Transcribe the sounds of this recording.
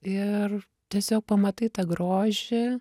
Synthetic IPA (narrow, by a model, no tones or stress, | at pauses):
ɪr | t̪ʲɛsʲoːk̚pɐmɐt̪ɐɪt̪ɐɡɾoːʒʲɪ